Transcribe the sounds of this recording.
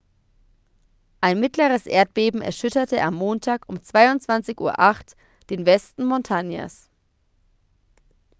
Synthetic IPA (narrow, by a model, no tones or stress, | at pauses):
ʔaɪnmɪtləʁəsʔḛːɐt̚b̥eːbm̩ɛ̰ɐʃʏtɐtəʔa̰mːoːntʰaːkʊmt͡sv̥aɪʊntt͡sv̥ant͡sɪçʔṵːɐʔaχt | d̥eːnvɛstn̩mɔntʰanja̰s